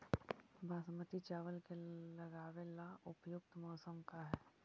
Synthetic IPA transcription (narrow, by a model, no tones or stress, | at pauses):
bʱaːsəmət̪it͡ʃaːʋəlkelɐɡaːʋelaʊpjʊk̚t̪mɔːsəmkaɦɛː